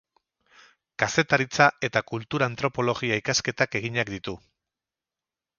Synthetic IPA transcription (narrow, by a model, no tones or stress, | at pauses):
kase̞t̪aɾit͡sae̞t̪akult̪uɾaːnt̪ɾo̞po̞lo̞ɣiaikaske̞t̪ake̞ɣ̞iɲakd̪it̪u